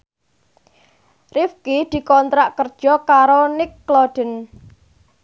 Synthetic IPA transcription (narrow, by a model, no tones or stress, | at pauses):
rifkid̪̥i̤kɔnt̪ɾaʔkərd̥ʒ̥ɔkaɾonɪkːlɔɖ̥ə̤n